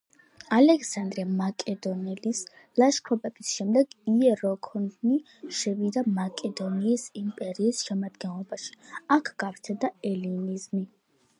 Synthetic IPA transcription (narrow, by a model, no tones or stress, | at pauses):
alɛksand̪ɾiamakʼɛd̪ɔnɛlis | laʃkʰɾɔpʼɛbisʃɛmd̪ɛɡiɛɾɔkʰɔnni | ʃɛvid̪amakʼɛd̪ɔniːsimpʼɛɾiːsʃɛmad̪ɡɛnlˠɔbaʃi̥akʰɡ̥apɾt̪ʰɛd̪aɛlinizmi